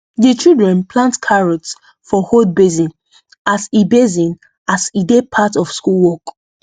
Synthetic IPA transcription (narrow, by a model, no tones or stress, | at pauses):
dit͡ʃildɹɛ̃npʰlãntkʰaɹɔts | fɔhod̚bezĩn | asibezĩn | asidepʰatɔfskulwɔk